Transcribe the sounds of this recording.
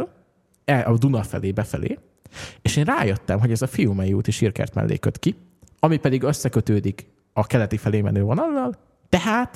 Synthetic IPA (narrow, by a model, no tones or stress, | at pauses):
l | ɛʔɒd̪unɒfɛ̰leːbɛfɛlḛː | eːʃeːnraːjøt̪ːɛmɦo̞ɟɛzɒfijumɛjuːt̪iʃirkɛ̰rt̪mɛ̰lːʔḛːkø̰t̪ki | ɒmipɛd̪iɡøsːɛkøt̪øːd̪ik | ɒkɛlɛt̪ifɛleːmɛ̰nøːvonɒlːɒl | t̪ɛɦaːt̪